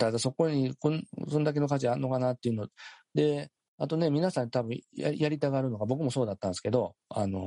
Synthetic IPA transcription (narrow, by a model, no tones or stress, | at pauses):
t̪ad̪aso̞ko̞ɲ̟ikonso̞nd̪ak̬e̞no̞kat͡ɕiaɾɯnːo̞kanat̪ːeiɯ̟nod̪e̞ | at̪o̞ne̞mʲinasãɲ̟ːit̪abɯ̟̃ja̰jaɾʲit̪aɡaɾɯ̟no̞ɡabo̞k̬ɯ̟mo̞so̞ːd̪at̪ːãñsɨ̥ke̞d̪o̞ano̞